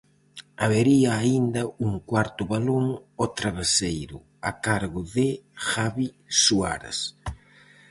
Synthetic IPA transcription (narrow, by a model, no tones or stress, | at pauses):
aβeɾiaːind̪ɐuŋkwaɾt̪ʊβaluŋot̪ɾaβesejɾʊ̰ | akaɾɣʊðɪxaβi | sua̰ɾɐ̰s